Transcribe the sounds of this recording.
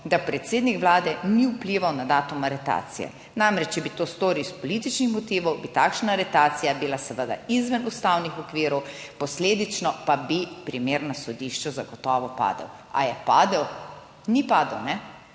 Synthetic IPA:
d̪apɾɛt̪seːd̪nikʋlaːd̪ɛniupliʋawnad̪aːt̪umaɾɛt̪a̰ːt̪sḭjɛ̰ | namɾɛt͡ʃt͡ʃɛbit̪oːst̪oːɾiwspɔlit̪it͡ʃnixmɔt̪iːʋɔwbit̪aːkʃnaɾɛt̪aːt̪sijabilasɛʋəd̪a̰izʋənust̪awnixɔkʋiɾɔw | pɔsleːd̪it͡ʃnɔpabipɾimeːɾnasɔd̪iʃt͡ʃɛzaɡɔt̪ɔːʋɔpa̰ːd̪ə̰w | a̰jɛpa̰ːd̪əw | nipaːd̪əwnɛ

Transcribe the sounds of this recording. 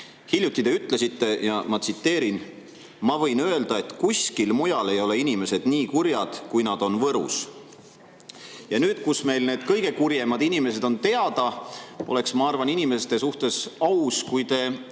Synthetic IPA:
hilʲjut̪ːˑid̪e̞yt̪ˑle̞sit̪ːe̞jɑmɑt̪sit̪ːe̞ːɾin | mɑvɤ̞jnø̞e̞ld̪̥ɑe̞t̪kuskilmujɑle̞jo̞le̞inime̞se̞d̪̥niːkuɾjɑd̪̥kujnɑd̪̥o̞nvɤɾṵs | jɑnyːd̪̥kusme̞jlne̞ːd̪̥kɤjɡ̥e̞kurjemɑd̪̥inime̞se̞d̪o̞nt̪e̞ɑd̪̥ɑo̞le̞ksmɑɑrvɑninime̞st̪e̞suht̪e̞sɑwskujt̪e̞

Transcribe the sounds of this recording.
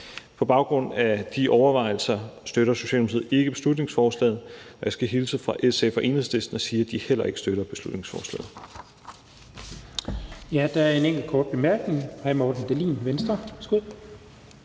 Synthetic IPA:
pʰɒ̽b̥ɑ̈ʊɡ̥ʁɔ̽n̰æd̥iʔɒʊɐʋɑ̈ɪl̩sɐsd̥øɾɐso̝ɕɛ̰ld̥muið̰̩ˠe̝ɡ̥əb̥e̝slud̥ne̝ŋsfɒːslɛ̰ːð̞̩ˠɒ̽jɑsɡ̥æɦilsəfʁɑ̈ʔesefɒʔe̝̰ːn̩ˠsle̝sd̥nɐsiːɐd̥ihel̰ɐe̝ɡ̥ə̥sd̥øɾ̥ɐb̥e̝slud̥ne̝ŋsfɒːslɛ̰ːð̩ˠ | jæd̥ææɐe̝neŋ̰ɡ̥l̩kʰɒːd̥̚b̥e̝mæɐɡ̥ne̝ŋhɑɪmɒːd̥n̩d̥elḭːnʋensd̥ʁɐsɡ̥uð̰ˠ

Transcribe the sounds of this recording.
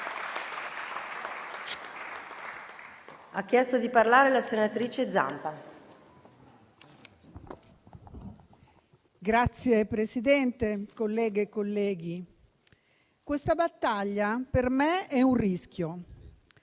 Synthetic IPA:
akːjɛst̪od̪iparlaːɾelasenat̪ɾiːt͡ʃed̪za̰mpa | ɡɾat̪sːjepɾesid̪ɛnt̪ekolːɛːɡekːolːɛːɡi | kwest̪abat̪ːaʎːapermeɛuriskjo

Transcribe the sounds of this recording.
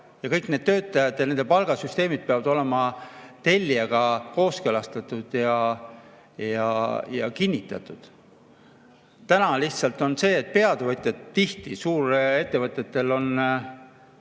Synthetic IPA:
jɑkɤjkned̪̥̚t̪ø̞ːt̪ːˑɑjɑd̪̥jɑne̞nd̪e̞pɑlɡ̥ɑsyst̪eːmid̪̥̚peɑvɑd̪o̞le̞mɑt̪e̞lʲːiɑɡ̥ɑko̞ːskølɑst̪ɑt̪ːˑud̪̥jɑ | jɑjɑkinʲːit̪ːˑɑ̰t̪ːˑud̪̥ | t̪ænɑliçht̪sɑlt̪o̞nse̞ːt̪̚ːpe̞ɑd̪̥evɤt̪ʲjɑt̪t̪ːiht̪isuːɾe̞t̪ːe̞vɤt̪ːˑet̪ːe̞lo̞n

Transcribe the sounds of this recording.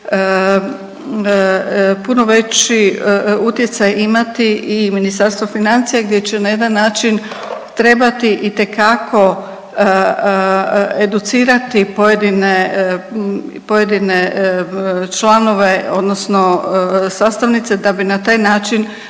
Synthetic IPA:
puno̞ʋe̞t͡ɕiut̪je̞t̪sajimat̪iiminist̪aɾst̪ʋofinant̪sijaɡd̪je̞t͡ɕe̞naje̞d̪anːaːt͡ʃin | t̪ɾe̞bat̪iʔit̪e̞kakʰo̞ | ed̪ut̪siːɾat̪ipojed̪ine | po̞je̞d̪ine | t͡ʃlˠano̞ʋe̞o̞d̪nosnosaːst̪aʋnit̪se̞d̪abinat̪aːjnaːt͡ʃin

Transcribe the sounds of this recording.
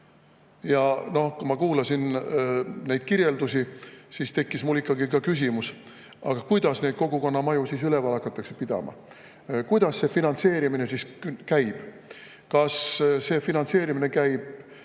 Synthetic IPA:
jɑno̞hkumɑkuːlɑsin | nejd̪̥̚kiɾje̞ld̪usisiːst̪e̞kˑːismulːikːˑɑɡikɑkys̬ʲimus | ʔɑ̰ɡ̥ɑkujd̪̥ɑsne̞jd̪̚ko̞ɡuko̞nːɑmɑjusisylevɑlɑkːˑɑt̪ːˑɑkse̞̥pid̪̥ɑ̰mɑ̰ | kujd̪̥ɑsːe̞finɑnt̪se̞ːɾimine̞siskæjb̥ | kɑsse̞ːfinɑnse̞ːɾimine̞kæjb̥̚

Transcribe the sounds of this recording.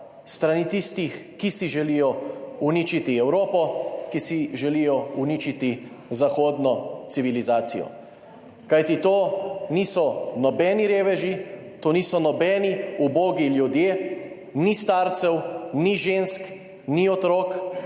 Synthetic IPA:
st̪ɾanit̪ist̪ixkisiʒɛlijɔuniːt͡ʃit̪iɛwɾoːpɔkisiʒɛlijɔunit͡ʃit̪i | zaxoːd̪nɔt̪siʋilizaːt̪sḭjɔ̰ | kajt̪it̪oːnisɔnɔbɛːniɾeːʋɛʒi | t̪oːniːsɔnɔbɛːniuboːɡiljud̪jeː | nist̪aːɾt̪sɛwniʒensk | niɔt̪ɾoːk

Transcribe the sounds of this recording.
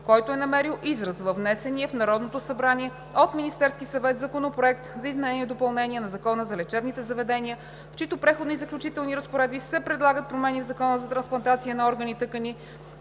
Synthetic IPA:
kɔjt̪oɛnɐmɛɾilˠʔizɾəzvəvnɛsɛniɛfnɐɾɔd̪not̪osɐbɾaniɛ | ot̪minist̪ɛɾskisɐvɛt̪zɐkonopɾoɛkt̪zɐizmɛnɛniɛd̪opɐlˠnɛniɛnɐzɐkɔnəzɐlɛt͡ʃɛbnit̪ɛzɐvɛd̪ɛniə | ft͡ʃit̪opɾɛxod̪nizəklʲut͡ʃit̪ɛlˠniɾəspoɾɛd̪̚bisɛpɾɛd̪lˠaɡət̪̚pɾomɛnivzɐkɔnəzɐt̪ɾɐnsplˠɐnt̪at̪siənɐɔɾɡənit̪ɤkəni

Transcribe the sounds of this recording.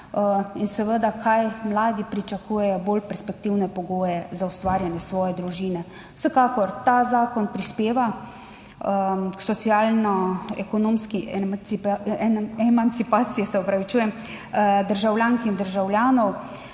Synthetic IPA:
insɛʋəd̪akʰajmlaːd̪ipɾit͡ʃakuːjɛjɔboːlpɛɾspɛkt̪iwnɛpɔɡoːjɛzaust̪ʋaːɾjanjɛsʋɔːjɛd̪ɾuʒinɛ | wsəkaːkɔɾt̪azaːkɔnpɾispeːʋa | ksɔt̪siaːlnɔɛkɔnoːmski | ɛmant̪sipaːt̪sijɛsɛɔpɾaʋit͡ʃuːjɛm | d̪əɾʒawljaːŋkind̪əɾʒawljaːnɔw

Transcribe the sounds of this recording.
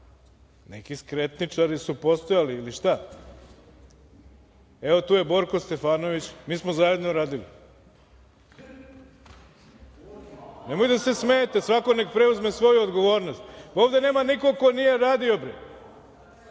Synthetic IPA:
nekiskɾe̞t̪nit͡ʂaɾisupo̞st̪o̞jaliːliʃt̪a | e̞ʋo̞t̪uːje̞bo̞ɾko̞st̪e̞faːno̞ʋit͡ɕmiːsmozaje̞d̪noɾaːd̪ilḭ | nemo̞jd̪ase̞smejet̪esʋako̞ne̞kpɾeuzmesʋo̞juod̪ɡo̞ʋo̞ːɾno̞st̪oːʋd̪e̞ne̞ːmaniko̞ko̞nije̞ɾaːd̪io̞bɾe

